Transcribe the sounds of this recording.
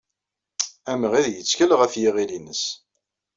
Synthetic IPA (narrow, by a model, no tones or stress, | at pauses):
æməʁiðjət͡sːkəlʁæfjiʁilinəs